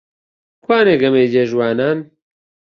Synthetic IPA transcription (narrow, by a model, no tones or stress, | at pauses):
kʰwaːneɡɐmeːd͡ʒeʒwaːnan